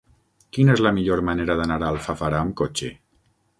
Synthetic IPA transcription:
kinezləmiʎoɾmaneɾəðənaɾalˠfafaɾaːmkot͡ʃe

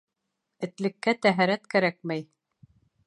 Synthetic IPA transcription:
ɘ̆t̪lɘ̆kːæt̪æɦæɾæt̪kæɾæk̚mæj

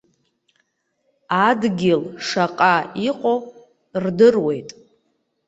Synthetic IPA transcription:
adɡʲɪlʂaqʼaiqʷʼo | rdɨrwe̞jtʼ

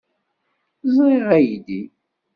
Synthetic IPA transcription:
zˤɾiʁæjd̪i

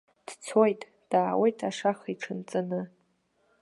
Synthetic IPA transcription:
d̥t͡sʰojtʼ | d̥aːwejtʰaʂaχiʈ͡ʂʰɨnt͡sʼɨnɨ

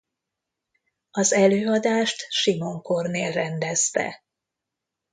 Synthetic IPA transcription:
ɒzɛløːɒd̪aːʃt̪ʃimo̞ŋko̞rneːlrɛnd̪ɛst̪ɛ̰

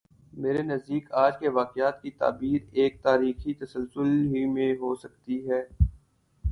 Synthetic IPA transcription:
meːɾenɐzd̪iːkaːd͡ʒkeʋaːqɪaːt̪kit̪a̰ːbiːɾeːk̚t̪aːɾiːxit̪ɐsəlsʊlɦimẽɦosɐk̚t̪iɦɛː

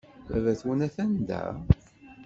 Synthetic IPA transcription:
æ̰væθwunæθænd̪æ̰

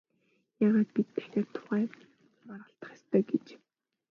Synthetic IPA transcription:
jaːʁaːt̪̚pit̪ːʰæ̥xʲaːrt̪ʰʊ̥χæː | marʁə̆ɬt̪ə̆χjast̪ʰœːɡet͡ɕ

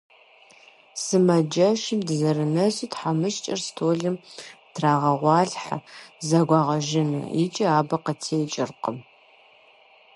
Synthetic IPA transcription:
sɨmɐd͡ʒɐʃɪmdɨzɐɾɨnɐzitħamɨʃt͡ʃʼɐrstʰoːɮɨmtʰraːʁɐʁʷɑːɬħazɐɡʷɑːʁɐʒɪnɐ̰ḭt͡ʃʼɐaːbɐqɐtʰeːt͡ʃʼɪrqəm

